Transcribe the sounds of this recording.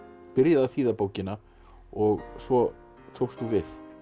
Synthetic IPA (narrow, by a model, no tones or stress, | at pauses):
pɪɾjaðafiːðapoːwcɪna | ɔɣsvɔ | t̪ʰowst̪uvɪθ